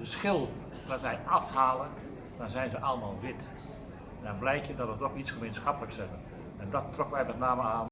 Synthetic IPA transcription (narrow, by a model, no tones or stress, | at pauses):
əsxɪlˠ | pratɛjɑfhaːlˠən | d̥ɔnzɛjnzəʔɑlˠəmaːlˠʋɪt | ɛndɔnblɛjkjədɔtʋətoxit͡sχəmejnsxapələksɛɣən | ɛndɔtːrokəʋɛjmɛtnaːməaːn